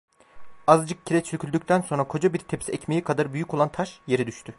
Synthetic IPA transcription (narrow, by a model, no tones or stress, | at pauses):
azɯd͡ʒɯk̚cʰiɾɛt͡ʃʰycʰylʲd̪yc̚ʲt̪ʰænso̞nɾakʰo̞d͡ʒabiɾt̪ʰepsɛcmejikʰad̪aɾbyjycʰolˠant̪ʰaʃje̞ɾɛd̪yʃt̪ʰy